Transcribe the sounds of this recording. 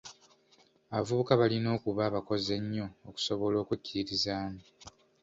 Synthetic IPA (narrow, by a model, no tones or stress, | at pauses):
aβavuβukaβalino̞ːkuβaːβako̞ze̞ɲːo̞ːku̥so̞βo̞lo̞ːkucːiɾiɾizaːno